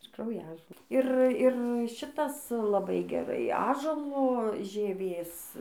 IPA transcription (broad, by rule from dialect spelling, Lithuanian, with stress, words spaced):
ɪr krɐʊˈjæːʒoː ˈɪr ˈɪr ˈʃʲɪtɐs lˠɐˈbɐɪ ɡʲɛˈrɐɪ ˈɑːʒuɔlˠoː ʒʲiɛˈʋʲeːs